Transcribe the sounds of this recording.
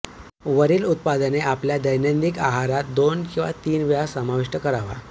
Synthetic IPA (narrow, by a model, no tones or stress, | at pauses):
ʋəɾiːlut̪̚pad̪əneapljad̪əjnənd̪ikaɦaɾat̪̚d̪onkĩw̃ʋa̰t̪iːnʋjasəmaʋiʂʈəkəɾaʋa̰